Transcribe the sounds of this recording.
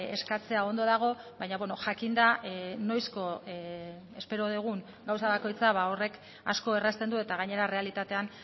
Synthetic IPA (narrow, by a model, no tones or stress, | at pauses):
e̞skat͡se̞ao̞nd̪o̞ðaɣ̞o̞βajɲaβwe̞no̞ʝakind̪ano̞jsko̞ | e̞spe̞ɾo̞ð̞eɣ̞uŋ | ɡawsaβako̞jt͡saβao̞re̞k | a̰sko̞e̞rast̪e̞nd̪ue̞t̪aɣ̞aɲe̞ɾare̞alit̪at̪e̞an